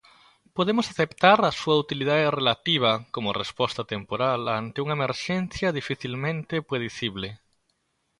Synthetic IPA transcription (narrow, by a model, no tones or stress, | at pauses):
poðemosaθept̪aɾasuɐut̪iliðaðerelat̪iβ̞ɐkomʊrespɔst̪ɐt̪empoɾalant̪euŋɐemeɾʃen̟θjɐðifiθilmẽnt̪epɾeðiθiβle